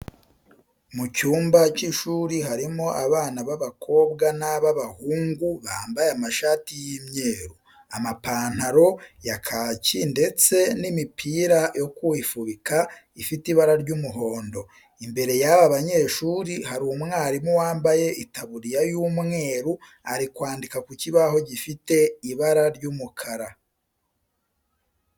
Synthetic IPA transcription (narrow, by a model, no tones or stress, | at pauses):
mucuːmbaciʃuːɾiɦaɾimoʔaβaːnaβaβakʰo̞ːbɡanaβaβahuːŋɡuβaːmbajeamaʃaːtijimɲeːɾu | amapaːn̥haɾo̞jakʰacinde̞t͡se̞nimipʰiːɾajo̞kuwifuβika | ifitiβaɾaɾɟumuɦo̞ːndo̞ | imbe̞ɾe̞jaβaβaɲe̞ːʃuɾihaɾumŋaːɾimuwaːmbaje̞ʔitaβuɾijajuːmŋe̞ːɾu | aɾikwaːndikakuciβaho̞ɟifite̞iβaɾaɾɟumukʰaɾa